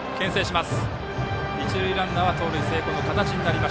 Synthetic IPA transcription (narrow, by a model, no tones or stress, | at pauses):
kẽ̞ɰ̃se̞ːɕimasɨ̥ | ɲʲit͡ɕiɾɯ̟iɾãnːaβat̪o̞ːɾɯ̟ise̞ːko̞no̞kat̪at͡ɕiɲ̟inaɾʲimaɕ